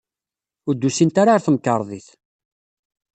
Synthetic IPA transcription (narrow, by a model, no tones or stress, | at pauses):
ʊɾd̪ːusint̪aɾaɾθəməkːəɾˤðˤiθ